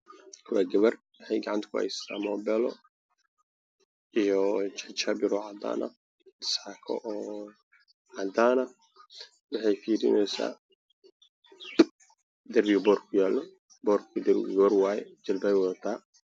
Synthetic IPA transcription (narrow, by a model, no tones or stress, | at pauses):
kʰɐwaɡɐβɐr | wɑħɑjɡɑʕɑnt̪ʰkʰʊhɛ̰jst̪ʰaːmɔːbɛlɔ | ʔijɔt͡ʃɛt͡ʃabɪɾɔːʕad̪a̰ːnɐ̰ | d̪ɪ̥sakʰɔ̰ʔɔː | ʕad̪aːnɐ | wɑħɑjfiːɾɪ̰nɛjsa̰ː | d̪ɐrbɪbɔːrkʰʊjaːlːɔ | bɔːrkʰʊd̪ɛɾɡɐβɐrwaːjɛ̰d͡ʒɐlbawɔðɐt̪ʰaː